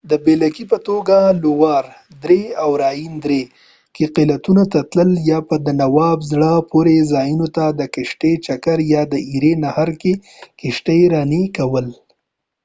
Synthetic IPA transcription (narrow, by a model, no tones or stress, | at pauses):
d̪əbelakipət̪oɡalowɑɾ | d̪ɾeawɾɑjind̪ɾe | keqilat̪unat̪at̪ləljɑpəd̪ənawɑbzɽəpoɾezɑjunot̪ad̪əkɪʃʈet͡ʃakaɾjɑd̪əiɾenahaɾke | kɪʃʈeɾɑnikawəl